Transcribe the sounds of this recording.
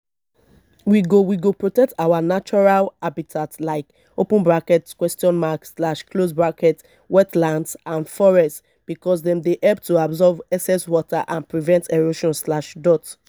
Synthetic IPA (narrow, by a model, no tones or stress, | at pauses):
wiɡowiɡopɹotɛk̚tawanat͡ʃɔɹalabitʰatlaɪk | opə̃nbɹakɛtkwɛstɔ̃nmakslaʃkʰlosbɹakɛt | wɛtlãndsãnfɔɹɛst | b̥ikɔsdɛ̃mdeʔɛlp̚tuabzɔvɛsɛswɔtaʔãnpɹivɛ̃ntʰɛɹoʃɔ̃nslaʃdɔt